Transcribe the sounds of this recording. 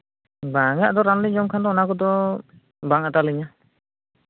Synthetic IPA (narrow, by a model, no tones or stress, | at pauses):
baŋaʔd̪ɔɾanliɲd͡ʒɔmkʰand̪ɔnakɔd̪ɔ | baŋat̪aliɲa